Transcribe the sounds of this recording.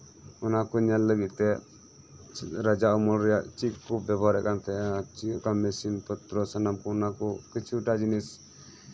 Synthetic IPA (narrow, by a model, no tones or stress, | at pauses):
ɔnakɔɲalːəɡit̪̚t̪ɛ | ɾad͡ʒaʔɔmɔlɾɛjaʔt͡ʃikubbabʱaɾɛ̰ʔkant̪ɛt͡ʃikamɛsinpɔt̪ɾɔsanamkɔɔnakɔkit͡ʃʰuʈad͡ʒinis